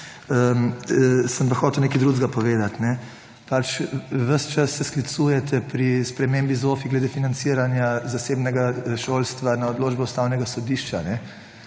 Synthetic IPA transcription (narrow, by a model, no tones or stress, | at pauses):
əmsəmpaxɔːt̪ɛwneːkid̪ɾuzɡapɔʋeːd̪at̪nɛ | pat͡ʃʋəst͡ʃasːɛsklit̪sujɛt̪ʰɛpɾispɾɛmembizofiɡlɛd̪efinant̪siɾanjazasebnɛɡaʃolst̪ʋanaɔd̪loːd͡ʒbɛust̪awnɛɡasɔd̪iʃt͡ʃanɛ